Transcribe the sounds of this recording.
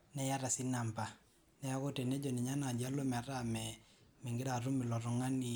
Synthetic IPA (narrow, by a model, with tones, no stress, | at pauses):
nɛ˦ja˦ɾa˨si˦na˨mpa˨ | nɛ˦ja˦ko˦te˨ne˦d͡ʒo˨ni˨ɲa˦na˨d͡ʒa˦lo˦m˨a˨ɾa˦mɛ˨ | mɛ˨ŋɡɪ˦ɾa˨ɾu˦mi˨lɔ˨ɾɔ˨ŋa˦ni˨